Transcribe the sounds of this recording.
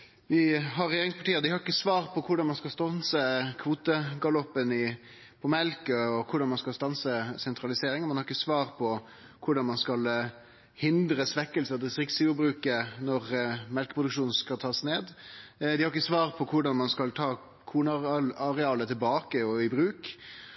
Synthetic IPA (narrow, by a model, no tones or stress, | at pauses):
ʋɪɦɑɾːɛjeːɾɪŋspʰɑʈiːəd̪ɪhɑɾɪkːəsʋɑːʁpʰɔkʰʊɖɑnmɑnskɑlst̪ɔnsəkʰʋuːt̪əɡɑlɔpːənɪ | pʰɔmɛlkəɔkʰʊɖɑnmɑnskɑlst̪ɑnsəsɛnt̪ʰɾɑlɪseːɾɪŋnmɛnhɑɾɪkːəsʋɑːɾpʰɔ | kʰʊɖɑnmɑnskɑl | hɪnd̪ɾəsʋɛkːəlsəd̪ɛst̪ɾɪksʊbɾʉːkənɔʁmɛlkə̥pʰʁʊd̪ʉkʂuːnn̩skɑlt̪ʰɑːsneːd̪d̪ɪhɑɾɪkːəsʋɑːɾpʰɔkʰʊɖɑnmɑnskɑlt̪ʰɑː | kʰuːnɑɑʁɛɑːlət̪ʰɪlbɑːkəɔɪbɾʉːk